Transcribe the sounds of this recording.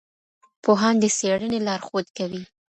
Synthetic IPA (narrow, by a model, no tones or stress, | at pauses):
poɦɑnd̪əseɽənelɑɾxod̪kawi